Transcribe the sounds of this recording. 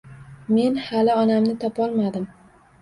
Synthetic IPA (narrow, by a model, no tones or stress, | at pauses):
me̞nhalɪɒnamnɪt̪ʰɒpɒlˠmad̪ɪm